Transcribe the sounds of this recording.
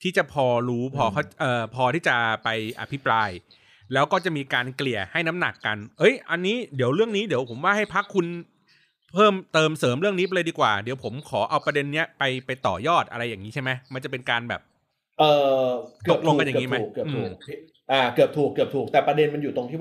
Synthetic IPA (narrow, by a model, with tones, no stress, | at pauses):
t̪ʰiː˥˩t͡ɕa˨˩pʰɔː˧ɾuː˦˥pʰɔː˧kʰa˦˥wʔɤː˨˩pʰɔː˧t̪ʰiː˥˩t͡ɕa˨˩pa˧jʔa̰˧pʰi˦˥pɾaː˧j | lɛː˦˥wkɔː˥˩t͡ɕa˨˩miː˧kaː˧nkli˨˩əha˥˩jna˦˥mna˨˩kːa˧nʔɤ˦˥jʔa˧nːiː˦˥di˩˦əwɾɯ˥˩əŋniː˦˥di˨˩˦əwpʰo˩˦mwaː˥˩ɦa˥˩jpʰa˦˥kʰːu˧n | pʰɤː˥˩mt̪ɤː˧msɤː˩˦mɾɯ˥˩əŋniː˦˥p̬a˧lɤ˧diː˧kwa̰ː˨˩di˩˦wpʰo˩˦mkʰɔː˩˦ʔa˧wpɾa˧de˧nːi˦˥ɐpa˧jpa˧jt̪ɔ̰ː˨˩jɔː˥˩t̪̚ʔa˧ɾa˧jːaː˨˩ŋiː˦t͡ɕʰa˥˩jma˦˥jma˧nt͡ɕa˨˩pe˧nkaː˧nbɛ̰ː˨˩p̚ | ʔɤː˨˩kɯ˨˦˩k̚lo˧˨˧ka˧nja˨i˦˥ma˦˨˩kːɯ˨˩t̪ʰːu˧˩˨ | ʔaː˧kɯ˨˩əp̚t̪ʰuː˨˩kːɯ˨˩t̪ʰuː˨˩k̚t̪ɛː˨˩pɾa˧de˧nma˧njuː˨t̪o˧ŋt̪ʰiː˥˩w